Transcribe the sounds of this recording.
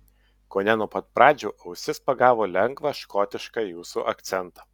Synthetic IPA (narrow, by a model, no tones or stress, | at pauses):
koːnʲɛnuɔpɐt̪̚pɾɑːd͡ʒʲuːʔɐʊsʲɪspɐɡɑːʋoːlʲɛŋɡʋɐʃkɔːt̪ʲɪʃkɑjuːsuːʔɐkt̪sʲɛnt̪ɐ